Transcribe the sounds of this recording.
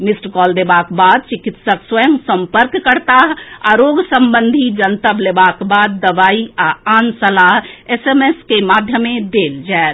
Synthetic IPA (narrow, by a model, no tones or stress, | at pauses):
misʈkɔld̪ebakbad̪̚t͡ʃikit̪səkswəjə̃ŋɡsəmpəɾkːəɾt̪aɦa̰ɾoɡsəmbənd̪ʱid͡ʒənt̪əblebakbad̪ːəʋaiaansəlaɦesemeskemad̪ʱjəmed̪eld͡ʒaet̪